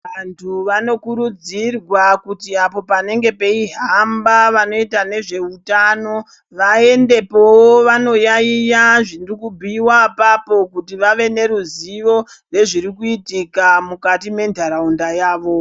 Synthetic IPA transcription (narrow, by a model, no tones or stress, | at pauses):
ʋantʰuʋano̞kuɾud͡zirwakutiapo̞pane̞ŋɡe̞pe̞iɦambaʋano̞itane̞ʐe̞utano̞ | ʋae̞nde̞powoʋano̞jaijaʐinrikubʱiwapapo̞kutiʋaʋe̞ne̞ɾuziʋo̞ | re̞ʐiɾikuitikamukatime̞ndʱaɾaundajaːʋo̞